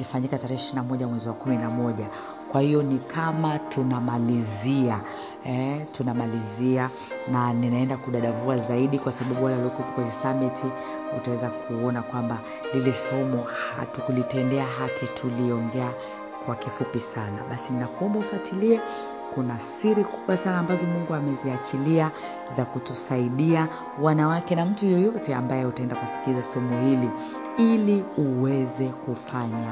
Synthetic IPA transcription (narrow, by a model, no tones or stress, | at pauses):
lifaɲikataɾɛhɛʃiɾinamɔʄamwɛziwakuminamɔʄa | kwahijɔnikʰamatʰunamalizia | ɛtunamalizia | naninaɛndakuɗaɗavuazaiɗikwasaɓaɓuwalauliɔkupɔkwɛɲɛsamitʰi | ṵtawɛzakʰuɔnakwamba | lilɛsɔmɔha̰tukulitɛndɛaɦakʰitʰuliɔŋɡɛa | kwakifupisana̰ɓasininakuɔmbaufuatiliɛ | kunasiɾikuɓwasanaːmbazɔmuŋɡuamɛziat͡ʃilia | zakutusaiɗia | wanawakɛnam̩tujɔjɔtɛa̰mbajɛutaɛndakusi̥kizasɔmɔhili | iliuwɛzɛkufaɲa